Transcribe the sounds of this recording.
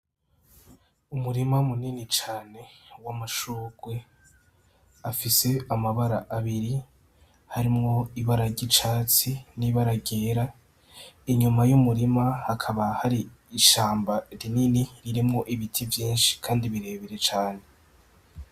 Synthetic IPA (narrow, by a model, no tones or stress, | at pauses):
umuɾimamuninit͡ʃaːne̞wamaʃuɡ̥we̞ | afise̞amaβaɾaʔaβiɾi | haɾimŋo̞iβaɾaɟit͡ʃaːt͡siniβaɾaɟeːɾa | iɲumajumuɾimahakʰaβahaɾiː | ʃaːmbaɾininiɾiɾimŋo̞ʔiβitʰivjiːnʃi̥kʰaːndiβiɾe̞ːβeɾe̞t͡ʃaːne̞